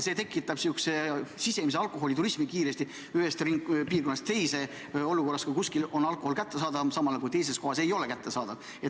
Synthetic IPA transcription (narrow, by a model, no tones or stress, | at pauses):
se̞ːt̪ekˑːit̪ːˑɑb̥siuksesise̞mis̬e̞ɑlkˑo̞ɦo̞lit̪uɾismikiːɾe̞st̪i | yhest̪riŋkpiːrko̞nːɑst̪t̪e̞jse̞ | o̞luko̞rːɑskukuskilo̞nɑlkˑo̞ho̞lkæt̪ːe̞sɑːd̪ɑvsɑmɑlɑkujt̪e̞js̬e̞sko̞hɑse̞jo̞le̞kæt̪ːe̞sɑːd̪ɑv | e